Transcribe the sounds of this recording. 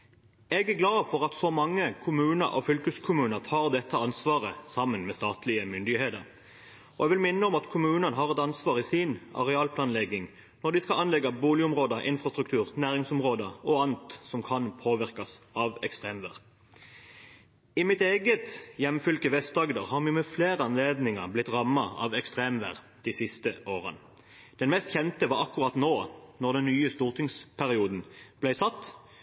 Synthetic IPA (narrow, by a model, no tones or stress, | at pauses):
ɛɡæʁɡlɑːfɔʁɑt̪sɔmɑŋːəkʰʊmʉːnəɾʔɑ̰fʏlkəskʰʊmʉːnəʁt̪ʰɑːʁd̪ɛt̪ːəɑnsʋɑːʁəsɑmːənmɛːst̪ɑːt̪lɪəmʏnd̪ɪheːt̪əʁ | ɔɛʋɪlmɪnːəɔmɑt̪kʰʊmʉːnənɦɑːʁɛt̪ɑnsʋɑːʁɪsinɑ̰ʁɛɑːlpʰlɑːnlɛɡɪŋ | nɔʁd̪ɪskɑlʔɑnlɛɡːɑbuːlɪʊmʁoːd̪əʔɪ̰nfʁɑst̪ʁʉk̚t̪ʰʉːʁnæːʁɪŋsɔmʁoːd̪əɔɑnt̪sɔmkʰɑnpʰoːʋɪʁkɑsɑːʋɛkst̪ʁeːmʋæ̰ːʁ | ɪmɪt̪eːɡət̪jɛmfʏlkəʋɛst̪ɑɡd̪əʁhɑːʁmɪmɛfleːʁəɑnleːd̪nɪŋəblɪt̪ʁɑmːɑɑ̰ʋɛkst̪ʁeːmʋæ̰ːʁ | d̪̥isɪst̪əʔoːʁə̰n | d̪̥ɛnmɛst̪çɛnt̪əʋɑːʁɑkːʉʁɑt̪noːnɔʁd̪ɛnːyːəst̪uːʁt̪ʰɪŋspʰæʁɪuːd̪n̩b̥læɪsɑt̪ː